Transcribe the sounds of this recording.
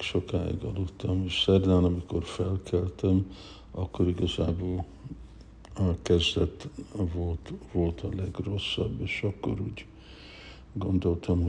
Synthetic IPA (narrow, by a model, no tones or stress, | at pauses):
ʃo̞kaːḭɡɒ̰lot̪ːɒmeʃsɛrd̪anɒmiko̞rfɛlkʰɛlt̪ɛm | ʔɒkːo̞ɾiɡɒzaːboːl | kɛzd̪ɛt̪volt̪vo̞lt̪ʰɒlɛɡro̞sːɒbːeːʃɒkːo̞̰ɾuːɟ | ɡo̞nd̪o̞lt̪ʰɒmɦ